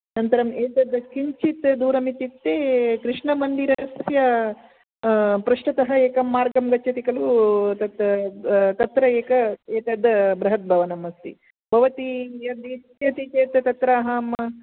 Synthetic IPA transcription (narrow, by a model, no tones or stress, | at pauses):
nɐnt̪ɐɾɐmeːt̪ɐd̪ːɐkiɲt͡ʃit̪d̪uːɾɐmit̪it̪ːeːkɾɪʂɳɐmɐnd̪iɾɐɐsjɐ | pɾɐʂʈɐt̪ɐɦɐeːkɐmːaːɾɡɐmɡɐt͡ʃːʃʰɐt̪ikɐlut̪ɐt̪ | t̪ɐt̪ɾɐeːkɐeːt̪ɐd̪ɐbɾɐɦɐt̪̚bʱɐʋɐnɐmɐst̪ḭ | bʱɐʋɐt̪ijɐd̪it̪jɐt̪it͡ʃeːt̪ɐt̪ɐt̪ɾaːɦaːmɐ